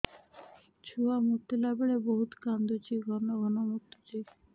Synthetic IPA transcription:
t͡ɕʰuamut̪ːelabeɭeboɦut̪kand̪ot͡ɕiɡʱɔnːoɡʱɔnomut̪ːot͡ɕi

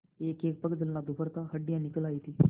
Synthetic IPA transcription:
eːkeːk̚pəkd̪ɪlnad̪upəɾt̪aɦəɖːɪjãːnɪkəlaːiːt̪iː

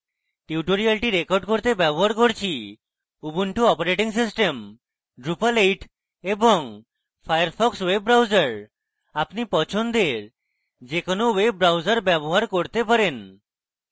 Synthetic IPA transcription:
ʈiuʈoɾialʈiɾekoɖkoɾt̪ebɛboɦaɾkoɾt͡ɕʰi | ubuɳʈuɔpaɾeʈiŋs̬isʈem | ɖɾupalejʈ | eboŋ | fʰajaɾpʰɔkswebɾawd͡ʑaɾ | apnipɔt͡ɕʰond̪eɾ | d͡ʑekonowebɾawd͡ʑaɾbɛboɦaɾkoɾt̪epaɾen

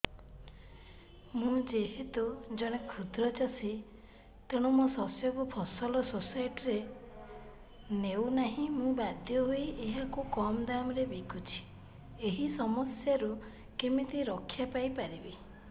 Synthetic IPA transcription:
mũd͡ʒeɦet̪ud͡ʒɔɽ̃ekʰud̪ʱɾɔt͡ʃasi | t̪eɽ̃umɔsɔsjɔkupʰɔsɔlɔsosajʈɾe | newnaɦĩmũbad̪ʱjɔɦoiʔeɦakukɔmd̪amɾebekʰut͡ʃʰi̥ | eɦisɔmɔsjaɾu | kemit̪iɾɔkʰːjapajpaɾibi

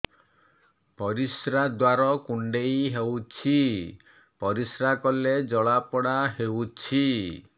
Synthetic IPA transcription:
pɔɾisɾad̪waɾɔkuɳɖejɦewt͡ʃʰi | pɔɾisɾakɔled͡ʒɔɭapɔɽaɦewt͡ʃʰi

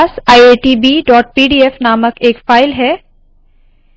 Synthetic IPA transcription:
saːieːʈiːbiːɖɔːʈ̚piːɖiːefnaːməkeːkfaːɪlɦɛː

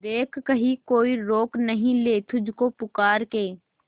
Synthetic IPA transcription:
d̪eːkːɐɦikoːiɾoːknɐɦĩleːt̪ʰʊd͡ʒʱkopʊkaːɾkeː

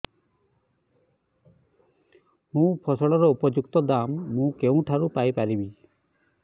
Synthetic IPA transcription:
mũpʰɔsɔɭɔɾɔupɔd͡ʒuk̚t̪ɔd̪amːũkeũʈʰaɾupajpaɾibi

